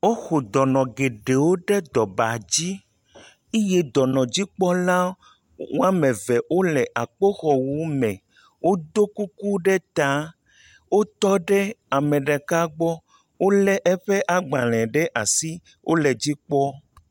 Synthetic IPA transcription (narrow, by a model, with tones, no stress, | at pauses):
wo˦xo˨d̪ɔ˨nɔ̃˨ɡe˨ɖe˨wo˦ɖɛ˦d̪ɔ˨ba˨d͡ʑi˦ | i˦je˦d̪ɔ˨nɔ̃˨d͡ʑi˦k͡pɔ˦la˦ | wo˦a˦mɛ̃˨vɛ˨wo˦lɛ˨ʔa˨k͡po˦xɔ˨wu˦mɛ̃˨ | wo˦d̪o˦ku˦ku˦ɖɛ˦t̪a˨˦ | wo˦t̪ɔ˦ɖɛ˦a˨mɛ̃˨ɖɛ˨ka˦ɡ͡bɔ˦ | wo˦lɛ˦ʔɛ˦ɸɛ˦ʔa˨ɡ͡ba˨l̃ɛ̃˨ɖɛ˦ʔa˨si˦ | wʔo˦lɛ˨d͡ʑi˦k͡pɔ˦